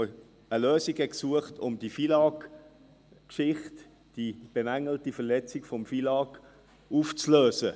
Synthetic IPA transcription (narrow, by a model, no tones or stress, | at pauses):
əløːsiɡ̥ɛksuəχtʊmdifilɑːk | kʃɪχt | d̥ib̥emæŋːəl̩tifɛɐlɛt͡sikfɔmfilɑːk | uːft͡sløːsə